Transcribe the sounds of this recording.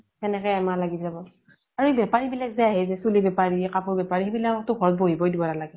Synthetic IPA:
tɛnɛkɔjamalaɡizabɔ | aɹuebɛpaɹibilakzajaɦɛzɛsulibɛpaɹikapʰuɹbɛpaɹixebilakɔk̚tʊɡʱɔɹɔt̚boɦibɔdibɔnalaɡɛ

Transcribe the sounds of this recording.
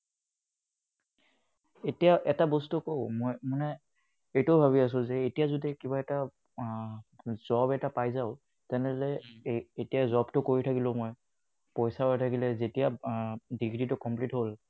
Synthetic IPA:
etijaʔɛtabostukoʊmɔjmʊna | etʊbʱaβias̬ʊ̃zɛetijazodikibaɛta | z̥ɔbɛtapajzaʊ | tɛnɛdɔlɛetijazɔbtʊkoɹitʰakilʊ̃moj | pɔjsaɔjtʰakilɛzetijadiɡɹitʊkɔmplitɦol

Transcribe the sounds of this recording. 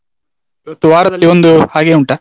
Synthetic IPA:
iʋɐt̪ːuʋaːɾɐɐlːio̞nd̪uhaːɡe̞ːuɳʈa

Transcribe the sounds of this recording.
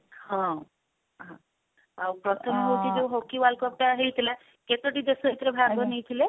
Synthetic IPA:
ɦɔ̃ | ɦɔ̃ | awpɾɔt̪ʰɔmɦowt͡ʃʰid͡ʒeũɦokiwalkɔp̚ʈaɦejt̪ʰila | ket̪oʈid̪esɔɦit̪ɾebʱaɡbʱɔnejt̪ʰile

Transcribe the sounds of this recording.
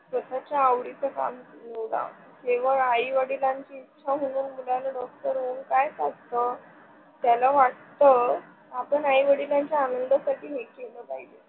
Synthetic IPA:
sət̪ʰat͡ɕaːʋɽit͡səka̰mnewɽa̰ | keʋ̤əɾaiʋəɽilaɲt͡ɕiːtːɕʰaɦoɽ̃uːnmulalaɖɔk̚ʈəɾʋoŋɡkajsaɡt̪ə | t̪jalaʋaʈ̚t̪ə | apəɳaiʋəɽilaɲt͡ɕjaːnənd̪əsaʈʰiːɦekeləːpaɦid͡ʑe

